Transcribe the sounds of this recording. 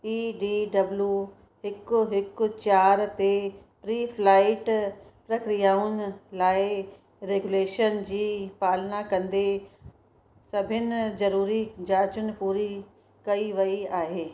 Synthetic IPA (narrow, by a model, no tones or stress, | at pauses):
iːɖiːɖɐblju | ɦɪkʊɦɪkʊ̆t͡ɕaːɾt̪e | pɾiːfʰlaːɪʈpɾɐkɾijaːʊnɪ̆laːɪ | ɾeːɡuleːʃənd͡ʑiːpaːlnakɐ̃nd̪e | sɐbʱɪnɪ̆zɐɾuːɾid͡ʑaːt͡ɕʊnɪ̆puːɾi | kɐiʋɐiaːɦeː